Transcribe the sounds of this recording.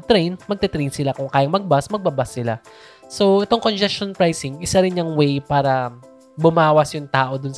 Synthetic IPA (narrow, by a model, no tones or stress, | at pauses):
t̪ɾɛjnmɐɡ̚t̪ɛt̪ɾɛjnsɪlakʊŋkaːjɐŋmɐɡ̚basmɐɡ̚bɐbasːɪla | so̞ʔɛt̪o̞ŋkond͡ʒɛstonpɾajsɪŋʔɪsaɾɪnjɐŋwɛjpaːɾɐ | bʊmaːwɐsjʊŋt̪aːʔo̞d̪ʊns